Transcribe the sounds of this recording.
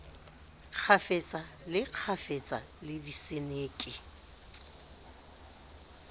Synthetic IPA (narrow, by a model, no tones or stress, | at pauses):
q͡χʰafet͡sʼalɪq͡χʰafet͡sʼa̰ | lɪdisɪneːkʼɪ